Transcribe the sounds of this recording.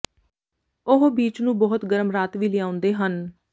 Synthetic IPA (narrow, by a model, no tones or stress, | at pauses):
ʊɦbiːt͡ʃnũːbɔːʊt̪ɡəɾəmɾaːt̪ʋiːlɪjãːʊ̃nd̪eːɦən